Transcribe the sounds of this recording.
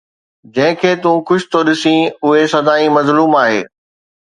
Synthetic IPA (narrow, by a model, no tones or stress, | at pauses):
d͡ʑɐ̃ɦɪ̃kʰeːt̪ũkʊʃʰɪ̥t̪ʰoɗɪsĩʊɦesɐd̪ʱaːĩmɐzluːmaːɦḛː